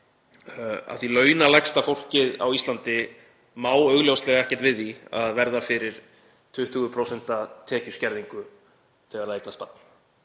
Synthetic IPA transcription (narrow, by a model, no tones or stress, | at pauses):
a̰ðθilœːɥnalɛkst̪afowl̥cɪða̰wist̪ant̪ɪ | maːwœɣljowst̪lɛɣaɛhcɛ̥ɾt̪vɪðia̰ðvɛɾðafɪɾɪɾ̥ | t̪ʰʏht̪ʰʏɣʏpʰɾowsɛn̥t̪at̪ʰɛːcʏscɛɾðiŋkʏ | θɛɣaɾejklast̪pa̰t̪̚n